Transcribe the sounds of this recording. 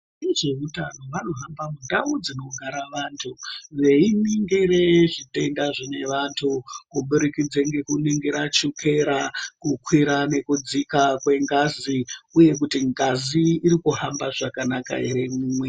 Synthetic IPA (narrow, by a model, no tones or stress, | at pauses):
iʐeɦutano̞ʋano̞ɦambamundaud͡zino̞ɡʱaɾaʋaːntʰuʋe̞iniŋɡeɾeʐite̞ndaʐine̞ʋantʰukuɓuɾikid͡zeŋɡe̞kuniŋɡiɾat͡ʃukʰe̞ɾakukwiɾane̞kud͡zikakwe̞ŋɡaziuje̞k̬utiŋɡaziːɾikuɦambaʐakanaka̰eɾe̞muːmwe̞